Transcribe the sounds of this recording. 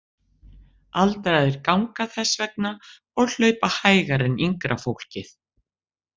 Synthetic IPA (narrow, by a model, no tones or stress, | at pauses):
alt̪aɾaðɪɾkawŋkaθɛsːvɛk̚na | ɔɣl̥œɥpahaːjɣaɾɪniŋkɾafowl̥cɪθ